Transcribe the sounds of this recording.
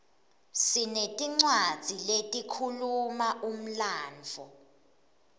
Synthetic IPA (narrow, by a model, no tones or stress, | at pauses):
sinetʼiŋ͡ǀwad̥z̥ʱiletʼikʰulumaʔum̩laːnd͡vʱɔ